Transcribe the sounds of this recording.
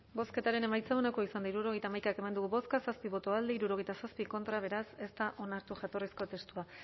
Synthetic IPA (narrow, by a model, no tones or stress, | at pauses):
bo̞ske̞t̪aɾe̞ne̞majt͡saonako̞isand̪aiɾuɾo̞ɣ̞ejt̪aːmajkake̞mand̪uɣuβo̞skasaspiβo̞t̪o̞ald̪eiɾuɾoɣe̞jt̪asaspiko̞nt̪ɾaβ̞e̞ɾase̞st̪aʔo̞naɾt̪uʝat̪o̞risko̞t̪e̞st̪ua